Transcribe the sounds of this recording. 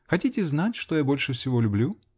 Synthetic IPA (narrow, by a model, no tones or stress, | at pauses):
xɐtʲitʲɪznatʲʂt̪ojabolʲʂɨfsʲɪvolʲʊblʲu